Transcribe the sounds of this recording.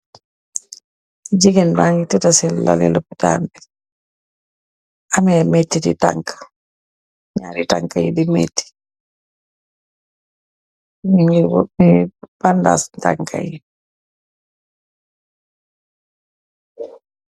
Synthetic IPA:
d͡ʒiɡinbaŋɡititasila̰lḭlopita̰nbi | amemetːitḭta̰ŋkḁ | ɲa̰ːɾitaŋkajidimḛtːi̥ | miŋɡimib̥anda̰snta̰ŋkʰa̰ji

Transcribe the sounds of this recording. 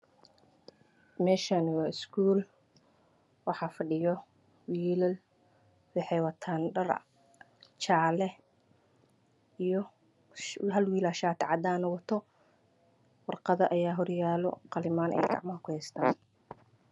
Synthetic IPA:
mɛːʃaːnɪwɑːɪskʰuːl | wɑħɑːfɑɖɪjɔ | wiːlɐl | wɑħɛjwɑt̪ʰaːnɖɐr | t͡ʃʰaːlɛ | ijɔ | ɦɐlwiːlaːʃaːt̪ʰɪʕɑd̪aːnɐwɑt̪ʰɔ | wɑrqɑðɐʔɐjaːɦɔrjaːlɔqɑlɪmaːnʔɛ̰jɡɑ̰ʕmɐɦɐkʰʊhɛst̪ʰa̰ːn

